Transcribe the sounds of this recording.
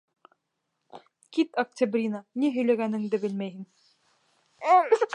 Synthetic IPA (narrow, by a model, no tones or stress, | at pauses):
kit̪ɐk̚tʲabrʲinaniɦɵ̆jlæɡænɘ̆ŋd̪ɘbɘlmæjɦɘŋ